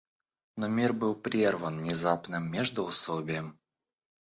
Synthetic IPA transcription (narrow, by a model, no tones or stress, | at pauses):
nomʲirbɨlˠpɾʲervənnʲɪzapnɨmːʲeʐd̪ʊʊsobʲɪjəm